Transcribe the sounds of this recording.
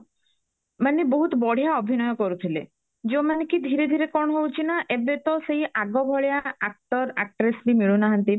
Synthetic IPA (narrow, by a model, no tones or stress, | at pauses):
maneboɦut̪ɔbɔɽ̤ijaɔbʱinɔjokoɾut̪ʰilḛ | d͡ʒemanekid̪ʱiɾed̪ʱiɾekɔɳ̃ɦowt͡ɕʰinaʔebet̪ɔsejʔaɡɔbʱɔɭjaak̚ʈɔɾak̚ʈɾesʈimiɭunaɦant̪i